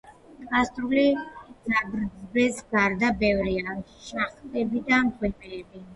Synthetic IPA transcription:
t̪ʼkʼast̪ʼɾulizaɡɾd̪zbɛsɡaɾd̪abɛvɾiaʃaχt̪ʼɛbid̪amkʰwɛpʼɛɛbi

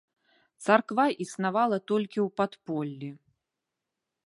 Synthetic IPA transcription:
t̪sarkvaʔisnavalˠɐt̪ɔlʲkʲiwpat̪pɔlʲːi

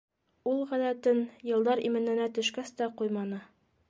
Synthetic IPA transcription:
ulˠʁæðæt̪ɘnjɤ̆lˠd̪ɑɾḭmɘ̆nɘ̆næt̪ɵ̆ʃkæst̪æqujmɑnɤ

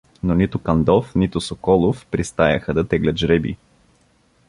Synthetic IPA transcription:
nonit̪ʊkɐnd̪ɔfnit̪ʊsokɔlˠofpɾist̪ajɐxəd̪ɐt̪ɛɡlʲət̪ʒɾɛbḭ

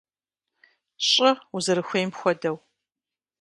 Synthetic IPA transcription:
ɕʼɪuzɨɾɨxʷejmpxʷɔdɐw

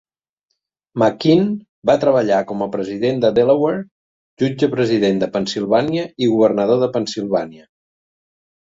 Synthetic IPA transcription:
məkin | bat̪ɾəβəʎakɔməpɾəziðend̪əðeləwer | ʒud͡ʒəpɾəziðend̪əpənsilˠβaniəiɣuβərnəðoðəpənsilˠβaniə

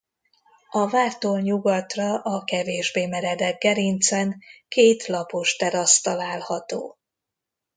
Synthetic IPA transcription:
ɒvaːrt̪oːlɲuɡɒt̪rɒʔɒkɛveːʒbeːmɛɾɛd̪ɛɡ̚ɡɛɾint̪sɛnkeːt̪lɒpoʃt̪ɛɾɒst̪ɒlaːlhɒt̪o̰ː

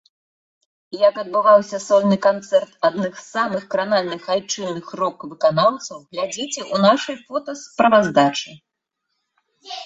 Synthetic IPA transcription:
jɐkɐd̪̚bɨvawsʲɐsɔlʲnɨkant̪sɛrt̪ad̪nɨxsamɨxkɾanalʲnɨxajt͡ʂɨnɨxrɔkvɨkanawt̪sɐwɣlʲad͡zʲit͡sʲɛʔunaʂɐjfɔt̪ɐspɾɐvazd̪at͡ʂɨ

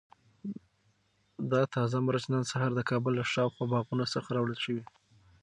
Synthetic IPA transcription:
d̪ɑt̪ʰɑzamaɾat͡ʃnansaɦaɾd̪əkʰɑbəlːaʃɑwxɑbɑɣunasəxaɾɑwɽəlʃəwi

